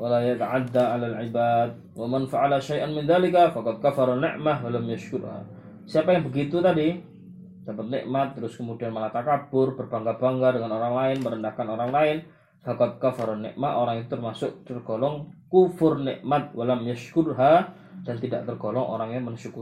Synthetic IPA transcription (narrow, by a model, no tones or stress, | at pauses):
walajat̪aʕad̪ːaʕalalʕibad̪̚ | wamanfaʕalaʃajʔanmɪnðalɪkafakɑd̪̚kafaɾanɪ̰ʔmahwalamjaʃkʊɾha̰ | siapajaŋbəɡit̪ut̪adi | d̥apət̪̚nɪ̰ʔmat̪ːəɾʊskəmudianməlat̪akab̥ʊrbərbaŋɡab̥aŋɡadəŋanoɾaŋlaɪnməɾəndahkanoɾaŋlaɪn | fakɑd̪̚kafaɾanːɪ̰ʔmaoɾaŋit̪ut̪ərmasʊk̚t̪ərɡ̥olɔŋkufʊrnɪ̰ʔmat̪̚walamjaʃkʊdɦa | d̥ant̪ida̰ʔt̪ərɡolɔŋʔo̰ɾaŋjaŋmənʃukuɾ